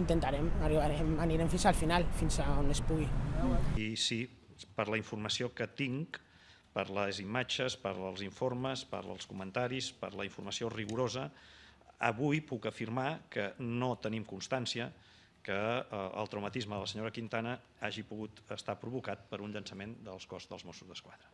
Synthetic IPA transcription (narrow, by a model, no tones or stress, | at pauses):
int̪ent̪aɾemariβaɾemaniɾemfinsalfinalfinsaonespuɣiisipəɾləiɱfurməsiokət̪iŋk | pəɾləzimat͡ʃəspəɾəlˠziɱforməspə̰ɾə̰lˠskumənt̪aɾispə̰ɾləiɱfurməsioriɣuɾozə | əβujpukəfirmakənot̪ənimkunst̪ansiə | kəə̰lˠt̪ɾəwmət̪izməðələsəɲoɾəkint̪anə | aʒipuɣut̪əst̪apɾuβukat̪̚pəɾunʎənsəmend̪əlˠskɔzðəlˠzmosuzðəskwaðɾə